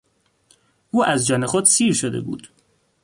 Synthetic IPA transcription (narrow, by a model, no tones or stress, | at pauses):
ʔuːʔæzd͡ʒɒnexod̪siːɾʃod̪ḛbṵːd̪̥